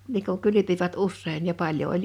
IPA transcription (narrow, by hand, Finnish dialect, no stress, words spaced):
niː ku kylypiʋæt usːein jɑ pɑlʲjo olʲ